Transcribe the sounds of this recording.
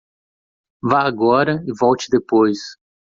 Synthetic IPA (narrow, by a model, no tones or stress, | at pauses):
vaaɡɔɾɐɪvɔwt͡ʃɪ̥d̪epojs